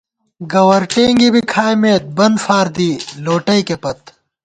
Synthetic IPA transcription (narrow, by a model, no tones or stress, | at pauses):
ɡɐwɐɾʈeːŋɡibikʰaːjmeːt̪̚bɐnd̪faːɾd̪iːloːʈɐikepɐt̪